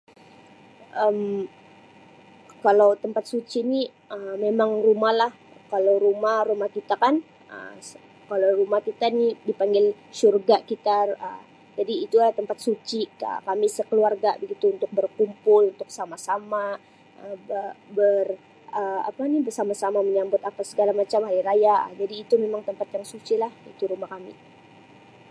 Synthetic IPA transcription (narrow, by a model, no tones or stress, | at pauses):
ʔəm | kalawt̪əmpat̪̚sut͡ʃini | əmmemaŋrumahlah | kalawɾumahrumahkit̪akan | ə̰ | kalawrumahkit̪anidipaŋɡɪl | ʃurɡakit̪aə̰ | d͡ʒadiːt̪uat̪əmpat̪̚sut͡ʃikə̰kamisəkəluarɡabəɡit̪uːnt̪ʊk̚bərkumpʊlunt̪ʊksamasama | ʔəəbər | əa̰panibərsamasamaməɲambʊt̪apasəɡalamat͡ʃamɦaiɾaja̰d͡ʒadiːt̪umemaŋt̪əmpat̪jaŋsut͡ʃilahḭt̪uɾumahkamḭ